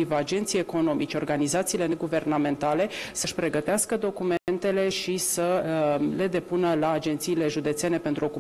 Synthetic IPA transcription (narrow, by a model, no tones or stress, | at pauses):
ivəad͡ʒe̞nt̪sijeko̞no̞mit͡ʃeo̞rɡanizat̪siːle̞neɡuve̞rname̞nt̪ale̞səʃpɾe̞ɡət̪easkəd̪o̞kument̪e̞le̞ʃisəle̞d̪e̞punəlaːd͡ʒe̞nt̪siːle̞ʒud̪e̞t̪se̞ne̞pe̞nt̪ɾuo̞ku